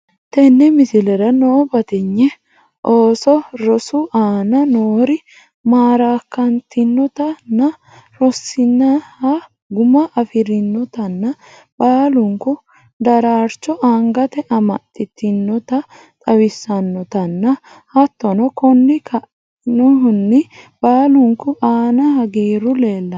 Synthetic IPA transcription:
t̪ɛnːɛmɪsɪlɛɾɐnoːbɐt̪ɪɲːɛ | ʔoːsɔɾɔsʊʔaːnɐnoːɾɪ | maːɾaːkːɐnt̪ɪnːɔt̪ɐnːɐ | ɾɔsːɪnːɐhɐ | ɡʊmɐʔɐfɪɾɪnːɔt̪ɐnːɐ | b̥aːlʊŋkʊ | d̪ɐɾaːɾt͡ʃːɔʔaŋɡɐt̪ɛʔɐmɐt̪ʼːɪt̪ːɪnːɔt̪ɐ | t̪ʼɐwɪsːɐnːɔt̪ɐnːɐ | hɐt̪ːɔnɔkɔnːɪkʰɐ | nʊɦʊnːɪb̥aːlʊŋkʊʔaːnɐhɐɡiːɾʊle̞ːlːɐ

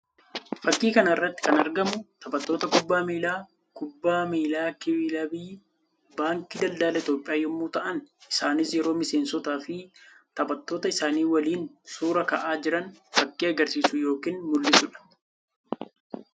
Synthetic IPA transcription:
fɐkʼːiːkɐnɐɪrːɐt̪ːɪ̥kɐnɐɾɡɐmʊt̪ɐbɐt̪ːo̞ːt̪ɐkʊbːaːmeːlaː | kʊbːaːmeːlaːkɪbɪlɐbiː | baːŋkɪd̪ɐld̪aːlɐɪt̪jo̞ːpʼɪjaːjɔmːuːt̪ɐʔɐnɪsaːnɪsjɛɾo̞ːmɪseːnsɔt̪aːfɪt̪ɐbɐt̪ːo̞ːt̪ɐɪsaːniːwɐliːnsuːɾɐkɐʔaːd͡ʒɪɾɐnfɐkʼːiːɐɡɐɾsiːsʊjo̞ːkiːnmʊlːɪsʊᶑɐ̥

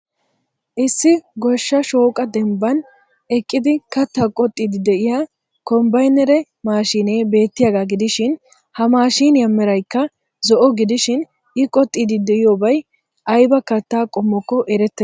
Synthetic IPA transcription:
ʔɪsːɪɡɔʃːɐʃo̞ːkʼɐd̪ɛmbɐn | ɛkʼːɪd̪ɪkɐt̪ːakʼɔt̪ʼːiːd̪ɪd̪ɛʔɪjaː | kɔmbɐjnɛɾɛ | maːʃiːne̞ːbe̞ːt̪ːɪjaːɡaːɡɪd̪ɪʃɪn | hɐmaːʃiːnjɐmːɛɾɐjkːɐ | zɔʔɔɡɪd̪ɪʃɪn | ɪkʼɔt̪ʼːiːd̪ɪd̪ɛɪjoːbɐj | ʔɐjbɐkɐt̪ːaːkʼɔmːɔkːɔʔɛɾɛt̪ːɛ

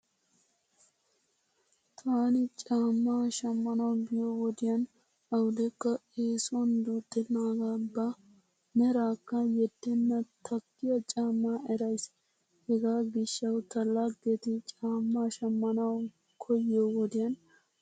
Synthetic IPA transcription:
t̪ʰaːnɪt͡ʃʼaːmːaːʃɐmːɐnɐwbɪjoːwɔd̪ɪjɐn | ɐwʊd̪ɛkːɐeːsɔnd̪uːt̪ːɛnːaːɡaːbːɐ | nɛɾaːkːɐjɛd̪̥ːɛnːɐt̪ʰɐkːɪjɐt͡ʃʼaːmːaːɛɾɐjs | hɛɡaːbɪʃːɐwt̪ɐlːaːɡeːt̪ɪt͡ʃʼaːmːaːʃɐmːɐnɐw | kʰɔjɪoːwɔd̪ɪjɐn

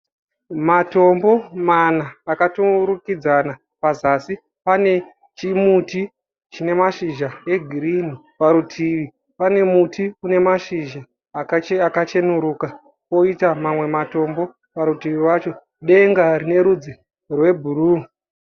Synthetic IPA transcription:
mato̞mbo̞manaːkatuɾukid͡zana | pazasi | pane̞ | t͡ʃimuti | t͡ʃine̞maʃiʒae̞ɡʱiɾin̤i | paɾutʰiʋi | pane̞mutʰiune̞maʃiʒa | akat͡ʃe̞nuɾuːka | ko̞itamamwe̞mato̞mbo̞ | paɾutiʋiwat͡ʃo̞ | ɗe̞ŋɡarine̞ɾud͡zi | rwe̞bʱuruː

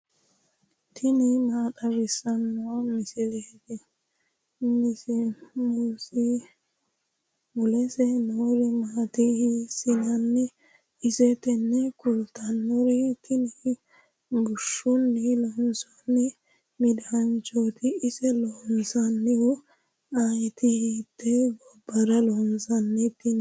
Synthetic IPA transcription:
t̪ʰɪnɪmaːtɐɾɪsɐnːʊwamɪsɪɾeːd̪ɛ | nɪsɛmʊsi | mʊlɛsɛnɔɾɪmaːt̪ɪhsɪnɐnːɪ | ɪsɛt̪ɛnːɛkʊlt̪ɐnːɔɾit̪ːɪni | bʊʃːʊnːilɔnsɔnːɛ | mɪd̪ɐɐnt͡ʃoːt̪ɪɪsɛlɔnsɐnːɪwɔ | ajt̪ɪhit̪ːɛbɔbːɐɾɐlɔnsɐnːɛt̪ːɪn

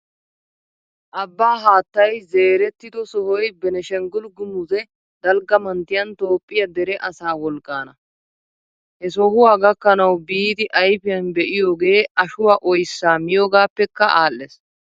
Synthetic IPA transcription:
ʔɐbːaːɦaːt̪ːɐjze̞ːɾɛt̪ːɪd̪ɔsɔhɔjbɛnɛʃɛŋɡʊlɡʊmʊzɛ | d̪ɐlɡɐmɐnt̪ːɪjɐnt̪o̞ːpʼːɪjɐd̪ɛɾɛʔɐsaːwɔlkʼːaːnɐ | hɛs̬ɔɦʊwaːɡɐkːɐnɐwbiːd̪ɪʔɐjpɪjɐnbɛʔɪjoːɡe̞ːɐʃʊwaːʔɔjsːaːmɪjoːɡaːpːɛkːɐʔaːlːes

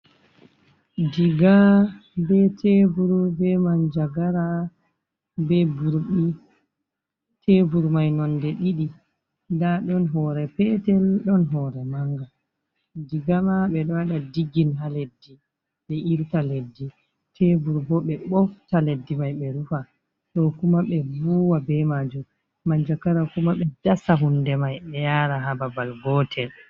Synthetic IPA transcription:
diɡabɛtʰebuɾbɛmand͡ʒaɡaɾa | bɛbuɾɓi | tʰebuɾmajnɔndɛɗiɗi | daɗɔnɦɔɾɛpɛtɛlɗɔnɦɔɾɛmaŋɡa | diɡamaɓɛɗɔwaɗadiɡinɦaledːi | ɓɛʔiɾtaledːi | tʰebuɾbɔɓɛɓɔftaledːimajɓɛɾufa | ɗɔkumaɓɛvuwabɛmad͡ʒum | maɲd͡ʒakaɾakumaɓɛdasaɦundɛmajɓɛjaɾaɦababalɡɔtʰɛl

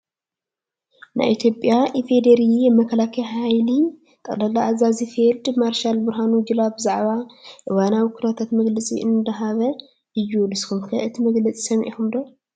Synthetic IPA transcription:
na̰jʔit̪ʰjo̞pʼjaʔifed̪eɾijɛmɐkʰɐlakʰɐjɦajli | t̪ʼɐlɐlaʔazazifeld̪maɾʃalbɨɾɦanud͡ʒɨlabɨzaʕβaʔɨwanawikʰuɾat̪ʰat̪mɐɡlɐt͡sʼḭʔɨnd̪ɐɦaβɐ | ɨjːulɨskumkʰɐʔɨt̪ʰimɐɡlɐt͡sʼi̥sɐmʔḭxumd̪o

